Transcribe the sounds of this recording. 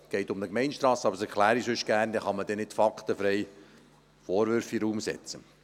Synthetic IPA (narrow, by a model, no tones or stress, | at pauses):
ɡ̥ɛɪt̪ʊmnəkmɛɪnʃt̪ɾɑːsɑbəɾsɛɾkʰlæːɾisʏʃɡ̥æːrnd̪ɛχɑməd̥̪ɛnɪtfɑkt̪əfɾɛɪ | foːɾʋʏɾfiɾuːmsɛ̰t͡sə